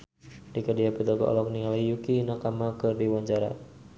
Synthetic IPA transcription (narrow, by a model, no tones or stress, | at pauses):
dikədiapit̪ɔɡɔ̰ʔɔ̰lɔk̚niŋalaijukinakamakɨrdiwaɲd͡ʒaɾa̰